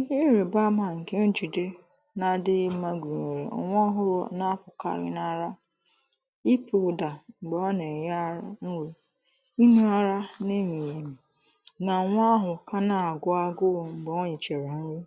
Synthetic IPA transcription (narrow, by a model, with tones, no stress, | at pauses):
ɾe˨ba˦ma˨ŋ̩˨ke˦n̩˦d͡ʒu˨de˦ | na˨dɪ˦ma˦ɡʷu˨ɲe˨ɾḛ˨ŋʷ˦ɔ˦ɦʊ˦ɾɔ̰˦na˦pʊ˨ka̰˦ɾɪ̰˦na˦˨ɾa˦ | i˦pʰu˨ʊ˨da˨ŋ͡mŋ͡m̩˨ɡ͡be˨ɔ˦ne˨ja˦ɾa˦n̩˦we˨ | i˦nu˦a˦ɾa˦ne˦mi˨je˨mi˨ | na˨ŋʷ˦a˦ɦʊ˨ka˦na˨a˨ɡʊ˦a˦ɡʊ˦˨ŋ͡m̩˨ɡ͡be˨ɔ˦ɲe˨t͡ʃe˨ɾe˨˦n̩˦ɾi˦